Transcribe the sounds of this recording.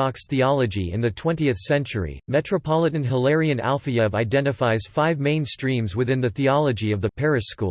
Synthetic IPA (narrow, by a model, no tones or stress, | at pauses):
ɑksθiɑlˠəd͡ʒiɨ̰̃nðɨtʰw̥ɛ̃ntiɨθsɛ̃nt͡ʃə˞ḭmɛt͡ʃɹ̥əpʰɑlˠəɾn̩ɦəlɛɹiɨ̃næ̰lˠfiɨvaɪdɛ̃ñtɨfaɪz̥faɪvmẽɪ̃nstɹ̥ĩmzwɨθɪ̃nðɨθiɑlˠəd͡ʒiʌvðɨpʰɛɹɨʃkṵ